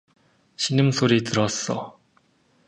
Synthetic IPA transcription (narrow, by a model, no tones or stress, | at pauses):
ɕʰinimsʰoɾitɯɾʌs͈ʌ̰